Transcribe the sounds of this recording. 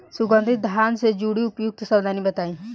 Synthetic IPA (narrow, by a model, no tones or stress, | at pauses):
sʊɡə̃nd̪ʱɪt̪̚d̪ʱjaːnsed͡ʒuːɽiʊpjʊk̚t̪sɐbd̪ʱanibɐt̪aːĩ